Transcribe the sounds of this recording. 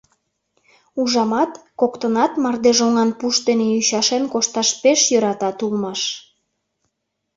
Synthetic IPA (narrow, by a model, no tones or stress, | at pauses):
uʒɑmɑt̪kokt̪ənɑt̪mɑrd̪eʒoŋɑnpuʃd̪eneyɕɑʃenkoʃt̪ɑʃpeʃjøɾɑt̪ɑt̪ulmɑʃ